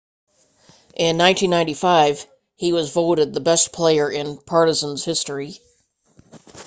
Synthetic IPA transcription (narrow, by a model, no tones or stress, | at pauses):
ʔɪ̃nːãɪ̃ntʰĩnːãɪ̃ntifaɪv̥ | iwʌzvoʊɾɨd̪̚ðəbɛspʰl̥eɪə˞ʔɪ̃npʰɑɹɾɨzə̃n̩z̥hɪstɹ̥i